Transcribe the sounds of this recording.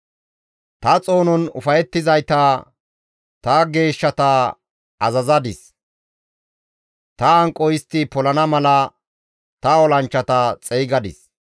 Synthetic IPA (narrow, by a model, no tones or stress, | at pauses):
t̪ɐt͡sʼo̞ːnɔnʊ̰fɐjɛt̪ːɪzɐjt̪ɐ | t̪ɐɡe̞ːʃːɐt̪ɐ | ɐzɐzɐd̪ɪs | t̪ɐɐŋkʼːɔjɪst̪ːɪpɔlɐnɐmɐlɐ | t̪ɐɔlɐnt͡ʃːɐt̪ɐt͡sʼɛːɡɐd̪ɪ̰s